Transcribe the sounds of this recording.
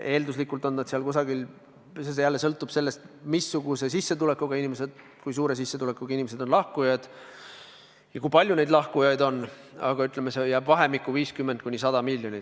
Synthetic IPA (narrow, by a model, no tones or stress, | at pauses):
e̞ːld̪uslikːˑult̪o̞nːnɑd̪̥siɑlkusɑɡil | ses̬ejælːe̞sɤlt̪ːˑub̥se̞lːe̞st̪misːuɡ̥use̞sisːet̪ule̞kːˑuɡ̥ɑinʲimese̞d̪̥ | kujs̬uːɾe̞s̬isːet̪ule̞kːˑuɡ̥ɑinimese̞d̪̥o̞nlɑhkujɑd̪̥ | jɑkujpɑlʲjune̞jd̪lɑhkujɑjd̪o̞nː | ɑ̰ɡ̥ɑyt̪ˑle̞mesejæːbvɑɦe̞mikːˑuviːskymːend̪̚kunisɑd̪̥ɑmilʲːjonʲi